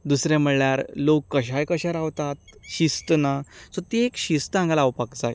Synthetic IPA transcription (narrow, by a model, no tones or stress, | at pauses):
d̪usɾam̤əɭɭjaɾlokːəɕajkəɕaɾaʋt̪at̪̚ɕist̪ənasɔt̪eekɕist̪ãŋɡalawpakd͡za̰j